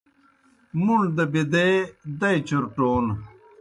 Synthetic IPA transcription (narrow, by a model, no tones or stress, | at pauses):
muɳd̪ɐbid̪ed̪ɐjt͡ɕuɾʈoːn